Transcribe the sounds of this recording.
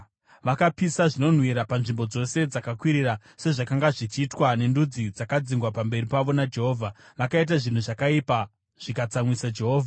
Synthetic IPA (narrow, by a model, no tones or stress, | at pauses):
ʋakapisaʐino̞n̤wiɾapanʐimbo̞d͡zo̞se̞d͡zakakwiɾira | se̞ʐakaŋɡaʐit͡ʃiːtwane̞ndud͡zid͡zakad͡ziŋɡwapambe̞ripaʋo̞nad͡ʒe̞ɦo̞ːvʱa | ʋakait̬aʐin̤uʐakaipa | ʐ̥ikat͡samwisad͡ʒe̞ɦoːvʱa